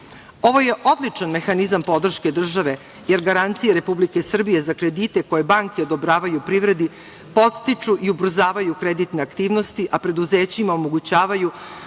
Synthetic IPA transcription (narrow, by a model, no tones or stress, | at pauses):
o̞ʋo̞je̞ʔo̞d̪lit͡ʂanme̞xanizampo̞d̪r̩ʃke̞d̪r̩ʒaʋe̞ | je̞ɾɡaɾant̪sijeɾe̞publike̞sr̩bije̞zakɾe̞d̪it̪e̞ko̞je̞baŋkeo̞d̪o̞bɾaːʋajupɾiʋɾe̞d̪i | po̞t̪st̪it͡ʂuʔiubɾzaːʋajukɾed̪it̪ne̞akt̪iːʋno̞st̪iʔapɾe̞d̪uzeːt͡ɕimaomo̞ɡut͡ɕaːʋaju